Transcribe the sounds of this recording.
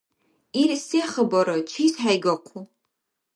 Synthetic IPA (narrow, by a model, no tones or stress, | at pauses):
iːrseːχəbɐɾɐt͡ʃʰiːsħajɡɐqʷʰu